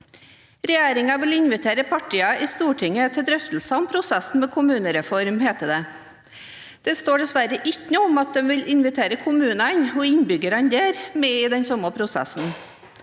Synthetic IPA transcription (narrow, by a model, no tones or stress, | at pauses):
ɾɛjeːɾɪŋɑʋɪlɪnʋɪt̪ʰeːɾəpʰɑʈɪːɑʔɪst̪uːʈʰɪŋːət̪ʰɪld̪ɾœft̪l̩sɑɔmpʰɾʊsɛsn̩mɛkʰʊmʉːnəɾɛfɔɾmheːt̪əd̪ɛ | d̪̥ɛst̪oːɖɛsʋæɾəʔɪkːənʊɔmɑt̪̚d̪ɛmʋɪlʔɪnʋɪt̪ʰeːɾəkʰʊmʉːnɑnɔɪnbʏɡəɾɑnd̪eːɾmɛːɪd̪ɛnsɔməpʰɾʊsɛ̰sn̩